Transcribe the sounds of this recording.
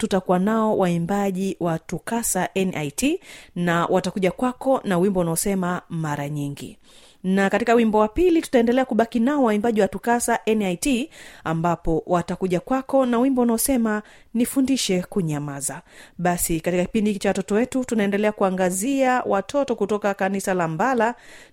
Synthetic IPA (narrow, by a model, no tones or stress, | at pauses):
tutakuwanaɔwʔaimbaʄiwʔatukasaʔɛnʔajtinawʔatakuʄakwakɔnawimbɔunaɔsɛmamaɾaɲiŋɡḭ | nakatikawimbɔwapilitu̥taɛndɛlɛakuɓakinaɔwaimbaʄiwatukasaʔɛnajtiambapɔwʔatakuʄakwakɔnawimbɔunaɔsɛma | nifundiʃɛkuɲamazaɓasikatikaki̥pindit͡ʃawatɔtɔwɛtutunaɛndɛlɛakuaŋɡaziawʔatʰɔtɔkutɔkakanisalambala